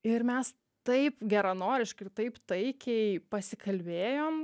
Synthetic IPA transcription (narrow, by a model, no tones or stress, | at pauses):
ɪɾmʲɛs | t̪ɐɪpɡʲæɾɐnoːɾʲɪʃkɐɪt̪ɐɪpt̪ɐɪkʲɛɪpɐsʲɪkɐlʲbʲeːjoːm